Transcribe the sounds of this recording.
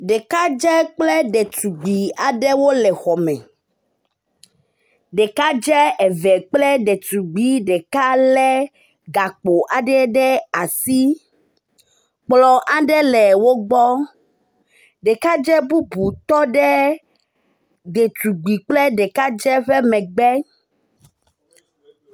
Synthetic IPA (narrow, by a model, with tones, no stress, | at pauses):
ɖe˨ka˦d͡ʒɛ˦k͡plɛ˦ɖɛ˨tu˨ɡ͡bi˨a˨ɖɛ˦wo˦lɛ˨xɔ˨mɛ̰̃˨ | ɖe˨ka˦d͡ʒɛ˦ɛ˨vɛ˨k͡plɛ˦ɖɛ˨t̪u˨ɡ͡bi˦ɖɛ˨ka˦lɛ˦ | ɡa˨k͡po˨ʔa˨ɖɛ˦ɖɛ˦a˨si˦ | k͡plɔ˨ʔa˦ɖɛ˦lɛ˨wo˦ɡ͡bɔ˦ | ɖɛ˨ka˦d͡ʒɛ˦bu˦bu˨t̪ɔ˦ɖɛ˦ | d̪e˨t̪u˨ɡ͡bi˨k͡plɛ˦ɖɛ˨ka˦d͡ʒɛ˦ɸɛ˦mɛ̃˨ɡ͡bɛ˦